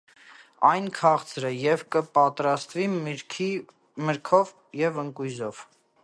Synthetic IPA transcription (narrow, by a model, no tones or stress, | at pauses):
ɑjnkʰɑχt͡sʰɾəjɛvkəpɑt̪ɾɑst̪vikʰi | məɾkʰɔv | jɛvəŋkujzɔv̥